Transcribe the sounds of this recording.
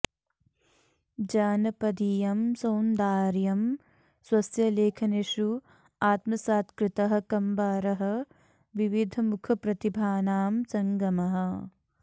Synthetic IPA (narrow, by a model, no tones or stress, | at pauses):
d͡ʒaːnɐpɐd̪ijɐmsoːnd̪aːɾjɐm | swɐsjɐleːkʰɐneʃu | aːt̪mɐsaːt̪kɾɪt̪ɐɦɐ̆kɐmbaːɾɐɦɐ̆ | ʋiʋid̪ʱɐmukʰɐpɾɐt̪ibʱaːnaːmsɐŋɡɐmɐɦɐ̆